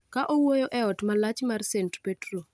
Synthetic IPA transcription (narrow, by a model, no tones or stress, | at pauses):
kaʔowojoʔɛɔtmalat͡ʃmarsentpetro